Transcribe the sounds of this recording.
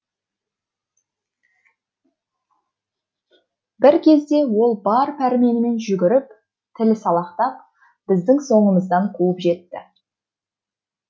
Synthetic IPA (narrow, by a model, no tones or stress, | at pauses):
bɪɾkʲʰe̞zd̪e̞wo̞lˠbɑɾpʰæɾme̞nɪme̞nʒʏɡʲɪɾɪp̚ | t̪ʰɪlɪsɑlˠɑqt̪ɑp | b̥ɪzd̪ɪŋso̞ɴəməzd̪ɑɴqʰuwəpʒe̞t̪ːɪ̰